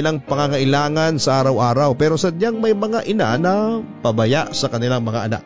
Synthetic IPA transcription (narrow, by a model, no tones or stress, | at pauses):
ɪlaŋpɐŋaŋɐʔɪlaːŋɐnsɐʔaːɾɐwʔaːɾɐwpɛːɾosɐd̪̚ɲaŋmɐjmɐŋaʔɪna̰nɐpɐbɐjaʔsɐkɐnɪlaŋmɐŋa̰ʔɐna̰k̚